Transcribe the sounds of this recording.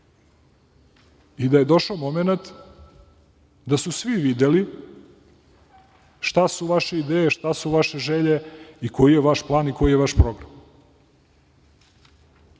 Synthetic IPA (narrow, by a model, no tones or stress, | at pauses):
id̪aje̞d̪o̞ʃaomo̞menat̪ | d̪asusʋiʋid̪eli | ʃt̪asuʋaʃe̞id̪eːjeʃt̪asuʋaʃe̞ʒeʎe̞iko̞jijeʋaʃplˠaːniko̞jijeʋaʃpɾo̞ɡɾam